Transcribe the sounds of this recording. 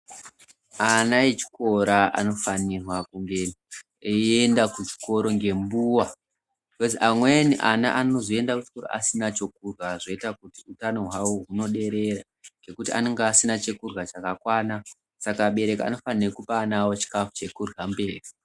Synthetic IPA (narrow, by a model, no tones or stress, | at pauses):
anaet͡ʃi̥ko̞ɾaa̰no̞fanirwakuŋɡe̞ | endakut͡ʃi̥ko̞ɾo̞ŋɡe̞mbuːwa | koziʔamweniʔana̰ʔanozoe̞ndakut͡ʃi̥ko̞ɾo̰ʔasinat͡ʃo̞kurwaʐo̞itakutiutano̞ɦauɦuno̞ɗe̞ɾe̞ra | ŋɡe̞kutia̰neŋɡaːsinat͡ʃe̞kurɣat͡ʃakakwaːna | sakaɓe̞ɾe̞kaa̰no̞fanirekupaːnawot͡ʃi̥kafu̥t͡ʃe̞kurɣambe̞ːri